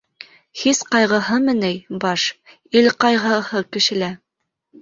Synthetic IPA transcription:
hisqɑjʁɤ̆ɦɤmɘ̆nɘjbɑʃ | ilqɑjʁɤ̆hɤkɘ̆ʃɘ̆læ

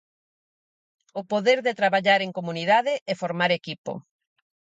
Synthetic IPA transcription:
ʊpoðeɾðet̪ɾaβaʎaɾeŋkomuniðaðɪʔɛfoɾmaɾekipo̰

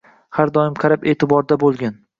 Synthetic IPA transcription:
haɾd̪ɒɪmqʰɑɾape̞ːt̪ʰɪbɒɾd̪abolˠɡʲan

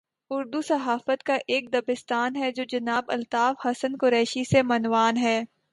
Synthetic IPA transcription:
ʊɾd̪usɐɦaːfət̪kaʔeːk̚d̪ɐbɪst̪aːnɦɛd͡ʒoːd͡ʒɐnaːbɐ̰lt̪aːfhɐsənkʊɾɛːʃisemɐnʋaːnɦɛː

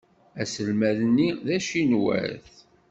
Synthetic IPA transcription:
æsəlmæðnːiðæʃinwæ̰ɾθ

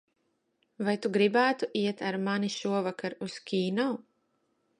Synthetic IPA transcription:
vajt̪uɡɾibæːt̪uʔiɛt̪aɾmaniʃuɔvakaɾuskʰʲiːnɔw

